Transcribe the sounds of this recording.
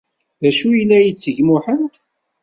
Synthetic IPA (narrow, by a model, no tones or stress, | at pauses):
ðæʃujəlːæjət͡sːəʝmʊħənt̪